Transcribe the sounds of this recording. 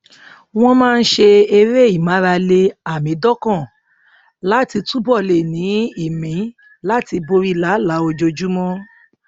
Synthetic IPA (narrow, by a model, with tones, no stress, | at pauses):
w̃ɔ̃˦mãː˦˧n̩˦ʃe˧e˧ɾe˦˨i˦˨mã˨˦ɾa˧le˧a˨mĩ˨˦dɔ˦kã˦˨ | la˨˦ti˧tu˦bɔ˦˨le˨nĩ˨˦i˦˨mĩ˨˦ | la˦ti˧bo˧ɾi˦la˨˦la˨˦o˧d͡ʒo˧d͡ʒu˦mɔ̃˦